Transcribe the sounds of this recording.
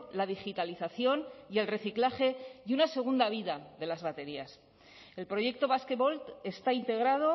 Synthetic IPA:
lað̞ixit̪aliθaθjo̞nie̞lre̞θiklaχe̞ðunase̞ɣ̞und̪aβ̞iðaðe̞lazβat̪e̞ɾias | e̞lpɾo̞je̞k̚t̪o̞βasket̪βo̞lt̪e̞st̪aint̪e̞ɣɾað̞o̞

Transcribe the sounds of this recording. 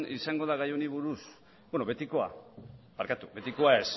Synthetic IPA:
nisaŋɡo̞ð̞aɣ̞ajoniβ̞uɾus | beno̞βe̞t̪iko̞a̰paɾkat̪uβe̞t̪iko̞ae̞s

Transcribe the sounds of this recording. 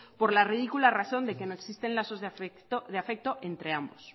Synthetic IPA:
po̞ɾlariðikularaθo̞nd̪e̞ke̞noeksist̪enlaso̞zðe | oðeafe̞k̚t̪o̞ʔe̞nt̪ɾe̞ambos

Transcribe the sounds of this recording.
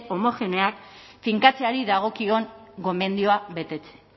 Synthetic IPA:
o̞mo̞fe̞neakfiŋkat͡se̞aɾiðaɣ̞o̞kio̞ŋɡo̞me̞nd̪io̞aβe̞t̪e̞t͡se̥

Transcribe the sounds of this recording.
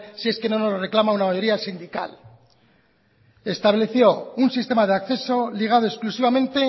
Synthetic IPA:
sie̞ske̞no̞nozre̞klamaunamajo̞ɾiasind̪ika̰l | e̞st̪aβle̞θjo̞unsist̪e̞maðeakθe̞so̞liɣ̞aðo̞esklusiβamẽ̞nt̪e̞

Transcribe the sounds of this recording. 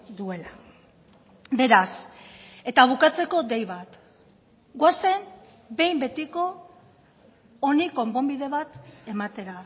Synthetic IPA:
d̪ue̞la | be̞ɾase̞t̪aβ̞ukat͡se̞ko̞d̪e̞jβat̪ | ɡwase̞m | be̞jmbe̞t̪iko̞ | niko̞mpo̞mbiðe̞βat̪e̞mat̪e̞ɾa

